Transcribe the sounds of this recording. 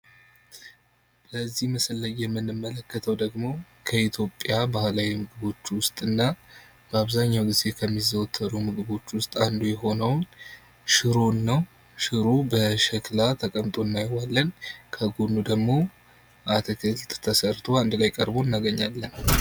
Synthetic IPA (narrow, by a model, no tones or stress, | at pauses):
bəzːihməslːəjɛmːɨnːɨmːələkːət̪ʰəwd̪əɡmo̞ | kʰəit̪ʰjo̞pʼːjabahlawimɨɡɨβo̞t͡ʃːwʊst̪ʼɨnːa | b̥əaβzaɲːawɡize̞kʰəmːizəwt̪ʰːəɾumɨɡɨβo̞t͡ʃːwʊst̪ʼand̪ujɛɦo̞nəwn | ʃɨɾo̞nːəw | ʃɨɾubəʃɛklat̪ʰəkʼəmt̪ʼo̞nːajwalːənkʰəɡonːud̪əɡmo̞ | ʔat̪ʰəkʰəlt̪ʰt̪ʰəsəɾt̪ʰo̞and̪lajkʼəɾbo̞ɨnːaɡəɲːalːən